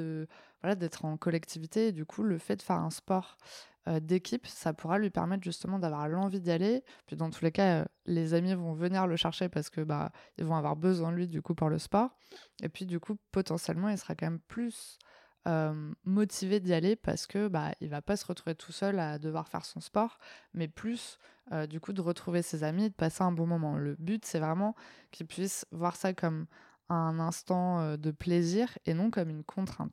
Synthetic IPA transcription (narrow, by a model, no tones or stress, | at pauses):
əvwalad̪ɛt̪χɑ̃kɔlɛkt̪ʰivit̪eːd̪ykʰuləfɛd̪əfɛʁɛ̰̃spɔʁ | ød̪ekʲʰipsapuʁalɥipɛ̰ʁmɛt̪χʒyst̪əmɑ̃d̪avwaʁlɑ̃vid̪jalepɥid̪ɑ̃t̪ʰulekaø̰ | lezamivɔ̃vəniʁləʃɛʁʃepaʁsə̥kəba̰ḭlvɔ̃avwa̰ʁbəzwɛ̃d̪lɥid̪ykupuʁləspɔʁ | epɥid̪ykʰupɔt̪ɑ̃sjɛ̰lmɑ̃ilsə̥ʁakɑ̃mɛmplys | ømɔt̪ʰived̪jalepa̰ʁsə̥kəba̰ḭlvapasəʁət̪χuvet̪ʰu̥sœlad̪əvwaʁfɛ̰ʁsɔ̃spɔʁmɛplys | ød̪ykud̪əʁət̪χuvesezamid̪əpaseɛ̃bɔ̃mɔmɑ̃ləbyt̪sɛvʁɛmɑ̃kʲʰilpɥisvwaʁsakɔm | ɛ̃nɛ̃st̪ɑ̃ød̪əpleziʁenɔ̃kɔmynkʰɔ̃t̪χɛ̃t̪